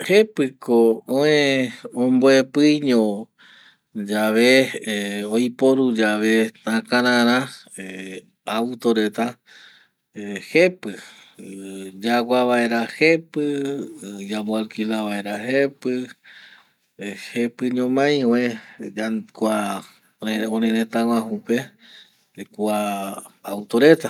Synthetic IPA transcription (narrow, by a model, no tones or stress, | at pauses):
hepɨkoõẽõmboepɨɲõ | d͡ʒaʋe | ojpoɾud͡ʒaʋe̞t̪ãkãɾãɾ̃ã | e | awt̪oɾe̞t̪a | hepɨ | d͡ʒaɡʷaβaeɾahepɨ | d͡ʒamoalkilaʋaeɾahepɨ | hepɨɲõmãj̃wẽakʷa | õɾẽɾẽt̪ãw̃ãɦũpe | kuaawt̪oɾe̞t̪a